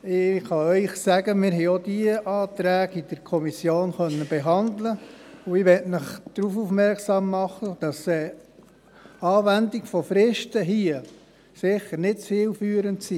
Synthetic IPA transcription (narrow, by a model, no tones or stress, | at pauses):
ɪχɑœʏχsæɡəmɪɾɦɛɪod̥iəʔɑːt̪ɾæːɡid̥əɾkʰɔmisjoːnχœnːəbɛɦɑndləuɪʋɛtməχd̪̥ɾufufmɛrksɑːmːɑχəd̥ɑsɛː | ɑːʋændiɡfɔfɾɪʃtəɦiə | sɪχəɾnɪtt͡sfiːlfyːɾəntsi